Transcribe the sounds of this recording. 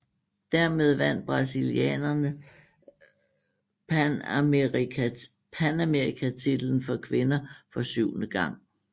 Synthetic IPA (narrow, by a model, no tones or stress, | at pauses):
d̥æɐ̰me̝ð̞ˠʋæn̰d̥̚b̥ʁɑ̈siliɛ̰ːnɐnə | pʰænæmeʁikʰæt͡sʰid̥l̩n̩fɒ̽kʰʋe̝nɐfɒ̽syʊ̰nəɡ̥ɑ̈ŋ̰